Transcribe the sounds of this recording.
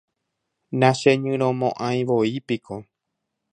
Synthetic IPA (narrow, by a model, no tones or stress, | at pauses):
nãʃeɲɨ̃ɾ̃õmõʔãj̃ʋoipikʰo